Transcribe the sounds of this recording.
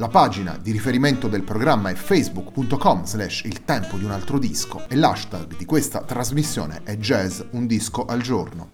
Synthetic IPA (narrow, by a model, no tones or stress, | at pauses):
lapaːd͡ʒina̰d̪iɾifeɾiment̪od̪elpɾoɡɾamːaɛfɛjzbukːpunt̪okɔmzlɛʃilt̪ɛmpod̪iunalt̪ɾod̪iskoɛlaʃt̪a̰ɡd̪ikwest̪a̰t̪ɾazmisːjo̰ːnḛʔɛd͡ʒɛzund̪iskoʔald͡ʒorno